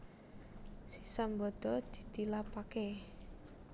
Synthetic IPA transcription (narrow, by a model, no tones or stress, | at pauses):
sisambɔd̪̥ɔ̤d̪̥i̤̥t̪ilapake